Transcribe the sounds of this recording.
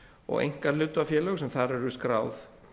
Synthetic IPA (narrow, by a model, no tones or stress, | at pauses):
ɔ̰ɣḛjŋ̥kalʏːt̪ʏafjɛːlœɣsɛmθaɾɛɾʏskɾaːwθ